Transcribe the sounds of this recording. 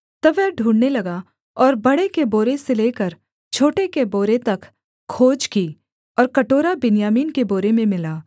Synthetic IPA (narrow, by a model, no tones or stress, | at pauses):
t̪ɐʋɛɦɖʱũːɽnelɐɡaː | ɔːɾbɐɽekeboːɾeseleːkɐɾ | t͡ʃʰoːʈekeboːɾet̪ɐk | kʰːoːd͡ʒkiː | ɔːɾkɐʈoːɾabɪnjaːmiːnkeboːɾemẽmɪlaː